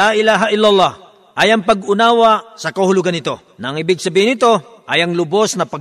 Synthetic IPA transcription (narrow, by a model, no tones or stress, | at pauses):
aʔɪlaːɦaʔɪlːalˠːɑh | ʔɐjɐŋpɐɡʊnaːwɐsɐkɐhʊlʊɡanɪt̪o̞ | nɐɐŋɪbɪɡ̚sɐbiːhɪnɪt̪o̞ | ʔɐjɐŋlʊbo̞snɐpɐɡ